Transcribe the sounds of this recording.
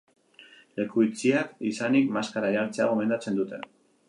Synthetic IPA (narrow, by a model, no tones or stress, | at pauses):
le̞kuit͡siakisanikmaskaɾajaɾt͡seaɣ̞o̞me̞nd̪at͡se̞nd̪ut̪e̞̰